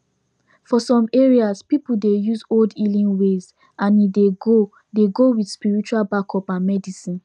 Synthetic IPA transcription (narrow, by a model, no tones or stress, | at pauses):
fɔsɔ̃meɹiazpipuldejuzoldilĩnwez | ʔãnideɡo | deɡowidspiɹit͡ʃualbakʰɔpãnmɛdisĩn